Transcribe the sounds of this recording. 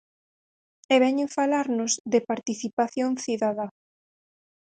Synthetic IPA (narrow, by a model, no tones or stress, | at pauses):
eβɛɲʊfalaɾnʊzðɪpaɾt̪iθipaθjoŋθiðaða